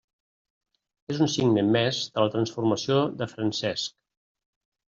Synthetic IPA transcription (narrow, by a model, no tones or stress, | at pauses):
ezunsiɡnəmːɛzd̪̥ələt̪ɾənsfuɾməsioðəfɾənsɛsk